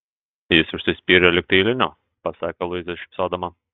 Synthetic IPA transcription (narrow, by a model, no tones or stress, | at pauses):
jɪsʊʃʲsʲʊsʲpʲiːɾʲɛlʲɪk̚t̪ɐɪlʲɪnʲʊ | pɐsɑːkʲɐlˠʊzʲd̪ʲɛʃʲɪsoːd̪ɐmɐ